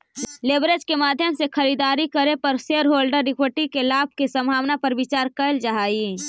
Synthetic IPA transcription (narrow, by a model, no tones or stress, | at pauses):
leːbɾed͡ʒkemaːd̪ʱjəmsexʰɐɾiːd̪aːɾikəɾepɐɾseːɾɦoːlɖəɾːɪkwəʈikelaːb̚ʱkesɐ̃mbʱaːwnapɐɾʋɪt͡ʃaːɾkəɪld͡ʒaɦaːi